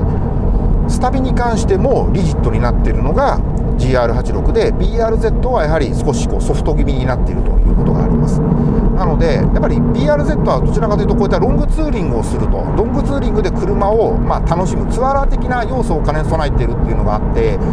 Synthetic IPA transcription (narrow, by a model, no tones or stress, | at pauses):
sɨ̥t̪abʲiɲ̟ikãɰ̃ɕi̥t̪e̞mo̞ɾʲiʑit̪ːo̞ɲ̟inat̪ːeɾɯ̟no̞ɡa | d͡ʑiːaːɾɯ̟ɦat͡ɕiɾo̞kɯ̟d̪e̞bʲiːaːɾɯ̟ze̞t̪ːo̞βajaɦaɾʲisɨ̥ko̞ɕi̥ko̞̰ːso̞ɸɯ̟̥t̪o̞ɡʲibʲiɲ̟inat̪ːe̞ḭɾɯ̟t̪o̞̰jɯ̟̰ːko̞t̪o̞ɡa̰ːɾʲḭmasɨ̥ | nano̞d̪e̞japːaɾʲibʲiːaːɾɯ̟ze̞t̪ːo̞βad̪o̞t͡ɕiɾakat̪ɨɯ̟t̪okoit̪ːaɾõ̞ŋɡɯ̟t͡sɨːɾʲĩŋɡɯosɨɾɯ̟t̪o̞̰ɾõ̞ŋɡɯ̟t͡sɨːɾʲĩŋɡɯ̟d̪e̞kɯ̟ɾɯ̟mao̞ | mat̪ano̞ɕimɯ̟t͡sɨβaɾat̪e̞kʲinajo̞ːsoːkaneso̞nait̪ːe̞ɾɯ̟t̪ːe̞iɯ̟noɡaːt̪ːe̞